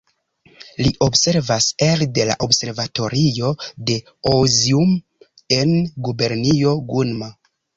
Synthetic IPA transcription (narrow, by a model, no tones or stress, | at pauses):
liʔobse̞ɾvaselde̞la̰ʔobse̞ɾvato̞ɾio̞de̞ | ozium | e̞nɡube̞ɾnio̞ɡunma